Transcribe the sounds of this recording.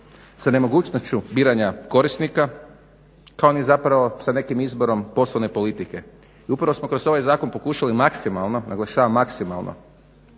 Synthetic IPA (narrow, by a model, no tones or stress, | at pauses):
sane̞mo̞ɡuːt͡ʃnost͡ɕubiːɾaɲako̞ɾisnika | kaonizapɾaʋo̞sane̞kimizbo̞ɾo̞mpo̞slˠone̞po̞lit̪ike̞ | iupɾaʋo̞smo̞kɾo̞zo̞ʋajzaːko̞npo̞kuːʃalimaksimalˠno̞nʔaɡlˠaʃaːʋamːaksimalˠnʔo̰